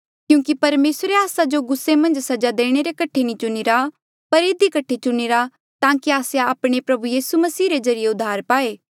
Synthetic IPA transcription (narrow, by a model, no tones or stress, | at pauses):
kjũːkipɐɾmeːsɾeaːsad͡ʒoɡʊsːemɐ̃nd͡ʒsɐd͡ʒad̪eːɽ̃eɾekɐʈʰenĩt͡ʃʊniɾa | pɐɾɪd̪ikɐʈʰet͡ʃʊniɾa | t̪ãːkiaːsejaːpɽ̃epɾɐbujiːsumɐsiːɾezɐɾijeʊd̪ʱːaːɾpaːeː